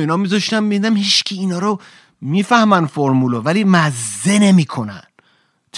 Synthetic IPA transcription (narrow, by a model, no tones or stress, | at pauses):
iːnɒːmiːzɒʃt̪æmmid̪id̪æmhiːʃcʲʰiːnɒːɾo | miːfæhmænfoɾmulovæliːmæzːenemiːkʰonæ̰n̥ | t̪ʰ